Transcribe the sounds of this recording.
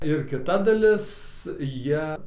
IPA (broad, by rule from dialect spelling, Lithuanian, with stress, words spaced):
ɪr kʲɪˈtɐ dɐˈlʲɪs ˈjiɛ